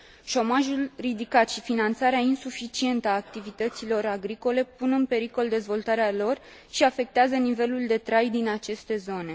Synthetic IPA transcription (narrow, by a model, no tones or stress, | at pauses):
ʃo̞maʒulrid̪ikat̪ʃifinant̪saɾeainsufit͡ʃie̞nt̪əaːk̚t̪ivit̪ət̪silo̞ɾaɡɾiko̞le̞punɨnpe̞ɾiko̞ld̪e̞zvo̞lt̪aɾealo̞r | ʃiafe̞k̚t̪eazənive̞luld̪e̞t̪ɾajd̪inat͡ʃe̞st̪e̞zo̞ne̞